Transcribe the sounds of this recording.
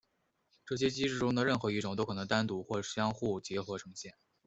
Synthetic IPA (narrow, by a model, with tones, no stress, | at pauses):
ʈ͡ʂɤ˥˩ɕ̬jɛ˥t͡ɕi˥ʈ͡ʂɻ̩˥˩ʈ͡ʂʊ˥ŋd̪ə˧ɻə˥˩nxɤ˧˥i˥˩ʈ͡ʂʊ˨˩ŋt̪o˥ʊkʰɤ˨˩nɤ˧˥ŋt̪a˥nt̪u˧˥xwɔ˥˩ʂ̩˥˩ɕjɑ˥ŋxu˥˩t͡ɕjɛ˧˥xwɔ˧˥ʈ͡ʂʰɤ˧˥ŋɕjɛ˥˩n